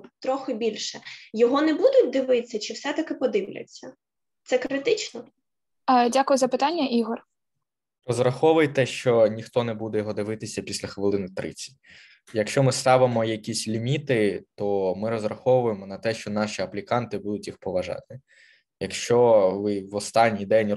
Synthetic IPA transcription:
t̪ɾɔxɪbʲilʲʃɛjɔɦɔnɛbud̪ʊt̚ʲd̪ɪʋɪt͡sʲːɐt͡ʃɪwsɛt̪ɐkɪpɔd̪ɪʋlʲɐ̰t͡sʲːɐ | t̪sɛkɾɪt̪ɪt͡ʃnɔ | dʲakʊjʊzɐpɪt̪ɑnʲːɐʔiɦɔr | rɔzɾɐxɔʋʊjt̪ɛʃt͡ʃɔnʲixt̪ɔnɛbud̪ɛjɔɦɔd̪ɪʋɪt̪ɪsʲɐpʲisʲlʲɐxʋɪlˠɪnɪt̪ɾɪ̰t͡sʲi̥ | jɐkʃt͡ʃɔmɪst̪ɑʋɪmɔjɐkʲisʲlʲimʲit̪ɪt̪ɔmɪɾɔzrɐxɔʋʊjemɔnɐt̪ɛʃt͡ʃɔnɑʃʲiɐplʲikɑnt̪ɪbud̪ʊtʲjixpɔʋɐʒɑ̰t̪ɪ | jɐkʃt͡ʃɔʋɪʋɔst̪ɑnʲːijd̪ɛnʲ

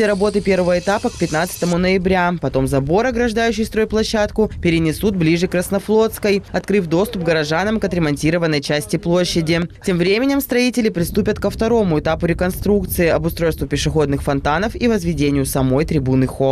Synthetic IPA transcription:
ɪɾɐbo̞t̪ɨpʲe̞ɾvəvəɪt̪apək̚pʲɪt̪nat̪sɨ̥t̪əmʊnəɪbɾʲapɐt̪o̞mzɐbo̞ɾɐɡɾɐʐd̪ajʉɕːɪjst̪ɾo̞jplˠɐɕːat̪kʊpʲɪɾʲɪnʲɪsut̪̚blʲiʐɨkɾəsnɐflˠo̞t̪skəjɐt̪kɾɨfd̪o̞st̪ʊp̚ɡəɾɐʐanəmkɐt̪ɾʲɪmɐnʲtʲiɾəvənːəjt͡ɕæsʲtʲɪplˠo̞ɕːɪdʲɪtʲe̞mvɾʲemʲɪnʲɪmst̪ɾɐitʲɪlʲɪpɾʲɪst̪upʲət̪kəft̪ɐɾo̞mʊɪt̪apʊɾʲɪkɐnst̪ɾukt̪sɨɪɐbʊst̪ɾo̞jst̪vʊpʲɪʂɨxo̞d̪nɨxfɐnt̪anəfivəzvʲɪdʲenʲɪjʊsɐmo̞jt̪ɾʲɪbunɨxo

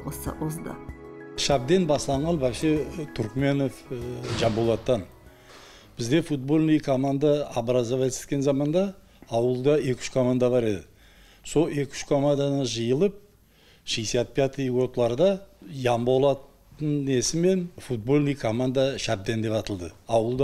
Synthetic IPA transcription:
sə̰ʊzd̪ɑ̰ʃæb̚d̪e̞nbɑslˠɑɴɑnbɑʃet̪ʰʏɾkme̞no̞fʒɑmbolˠɑt̪ːɑn | b̥ɪzd̪e̞fut̪̚bo̞lʲˠnijkʰo̞mand̪aːbɾɑzavet̪se̥t̪kʲe̞nzɑmɑnd̪ɑː | wəlˠd̪ɑe̞kʲʰʏ̥ʃkʰo̞mand̪ɑbɑɾe̞d̪ɪ | so̞lˠe̞kʲʰʏ̥ʃkʰo̞mand̪anəʒəjəlˠəp̚ | ʃijsiat̪̚pʲjat̪ijwo̞t̪lˠɑɾd̪ɑjɑmbolˠɑt̪ː | əne̞sɪme̞nfut̪̚bo̞lnijkʰo̞mand̪aʃæb̚d̪e̞nd̪e̞pɑt̪əlˠd̪əɑwəlˠd̪ɑ

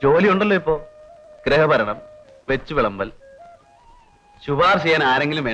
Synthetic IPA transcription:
d͡ʑo̞ːliuɳɖɐlːoːipːo̞ːɡ̥ɾeɦɐbɐɾɐɳɐm | ʋe̞t͡ɕːuʋiɭɐmbɐl | ɕubaːrɕɐjaːnaːɾe̞ŋɡilume

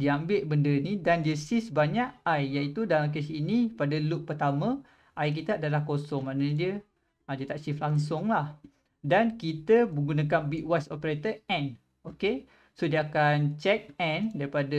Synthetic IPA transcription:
diambɪʔ̚bəndənidandiəsisbaɲaʔajjait̪udalamk̬esinipadəluʔ̚pərt̪amə̃ | ʔajk̬it̪əadalahkosɔŋmãʔndiə | ədiət̪aʔt͡ʃiflaŋs̬ʊŋlah | dankit̪əbəɡunãk̬anbiʔwasopəɾet̪əɛ̃n | oke | sodiəakant͡ʃɛk̚ɛndaɾipadə

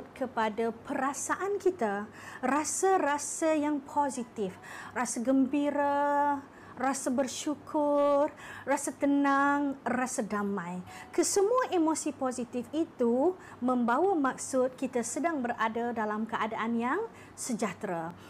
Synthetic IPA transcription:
t̪̚kʰəpadapəɾasaʔankit̪a | rasarasajaŋpʰozit̪ɪfrasaɡəmbiɾa | rasabərʃukʰʊrrasat̪ənaŋrasadamãjkəsəmũaʔemosipozit̪ifit̪u | mə̃mbawamak̚sʊt̪̚kit̪asədaŋbəradadalamkəadaʔanjaŋ | səd͡ʒat̪ɾa

